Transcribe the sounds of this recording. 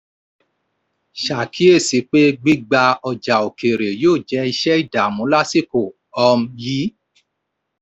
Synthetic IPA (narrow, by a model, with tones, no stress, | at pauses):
ʃa˨kʰi˨˦e˦˨si˨˦k͡pe˦ɡ͡bi˦ɡ͡ba˧ɔ˧d͡ʒa˨o˨ke˨ɾe˨joː˦˨d͡ʒɛ˦i˧ʃɛ˦i˦˨da˨mũ˨˦la˦si˦˨ko˨ | ɔ˧m̩˦ji˨˦